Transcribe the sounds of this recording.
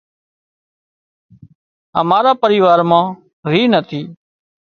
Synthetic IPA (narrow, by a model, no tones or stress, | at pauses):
ɦə̰maːɾaːpəɾiːʋaːɾmãː | ɾiːnət̪ʰiː